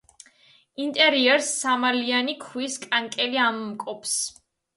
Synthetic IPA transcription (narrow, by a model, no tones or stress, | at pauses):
int̪ʼɛɾiɛɾsːamalianikʰwiskʼaŋkʼɛliamumkʼɔps